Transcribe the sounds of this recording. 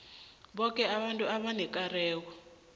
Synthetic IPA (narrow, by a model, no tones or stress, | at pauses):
ɓɔk̬ʼɛaɓantʼuaɓanɛkʼarɛːk̬ɔ